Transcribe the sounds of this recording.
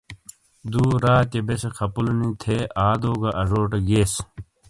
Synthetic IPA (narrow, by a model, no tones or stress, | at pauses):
d̪uːɾaːt̪ebesekʰɐpulunĩːt̪ʰeːaːd̪oːɡaʔɐʐoːʈeɡeːs